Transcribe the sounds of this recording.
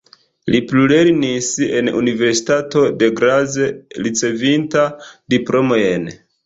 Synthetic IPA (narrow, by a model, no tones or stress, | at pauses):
lipluleɾnise̞nṵnive̞ɾsi̥tato̞de̞ɡɾazelit͡se̞vintadiplʔo̞moen